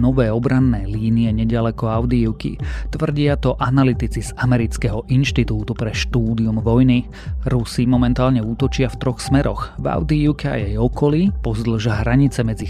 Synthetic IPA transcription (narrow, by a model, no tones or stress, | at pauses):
nɔʋɛːɔbɾanːɛːliːniɛɲɛɟalɛkɔaʊd̪iiʊkḭt̪ʋr̩ɟɪat̪ɔʔanalit̪it͡sizamɛɾit͡skɛɦɔʔinʃt̪it̪uːt̪upɾɛʃt̪uːd̪iumʋɔjni | ɾusimɔmɛnt̪aːlɲɛuːt̪ɔt͡ʃɪaft̪ɾɔxsmɛɾɔxva̰ʊd̪iiʊkɛa̰jɛjɔkɔlipɔzd̪l̩ʒaɦɾaɲit͡sɛmɛd͡zi